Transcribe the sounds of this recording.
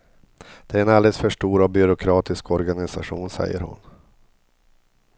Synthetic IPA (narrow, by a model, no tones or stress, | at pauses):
d̪̥ɛæɾɛnald̪ɛsfœʂʈuːɾabʏɾʊkʰɾɑːt̪ɪskʰɔɾɡanɪsaɧuːnsɛ̰jːə̰ɾhʊ̰n